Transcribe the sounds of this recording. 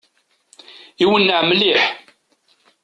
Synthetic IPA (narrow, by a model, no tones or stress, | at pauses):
iwənːəʕmliħ